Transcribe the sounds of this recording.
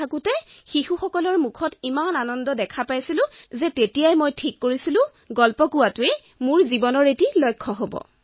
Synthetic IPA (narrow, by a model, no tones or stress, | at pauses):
akutɛxixuxɔkɔlɔɹmukʰɔtimananɔndɔdɛkʰapajsilʊ̃zɛtetijajmojtʰikːoɹisilʊ̃ | ɡɔlpɔkʊwatʊe | mʊɹzibɔnɔɹetilɔjkʰːɔɦobɔ̰